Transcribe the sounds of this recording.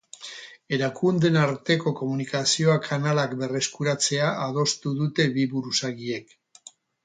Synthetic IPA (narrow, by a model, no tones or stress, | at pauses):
e̞ɾakund̪e̞naɾt̪e̞ko̞ko̞munikasio̞akʰanalakbe̞re̞skuɾat͡se̞aʔað̞o̞st̪uðut̪e̞βiβuɾusaɣiek